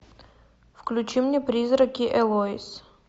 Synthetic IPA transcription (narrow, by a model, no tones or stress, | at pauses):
fklʲut͡ɕimnʲɛpɾʲizɾɐkʲiʔɛlˠɔis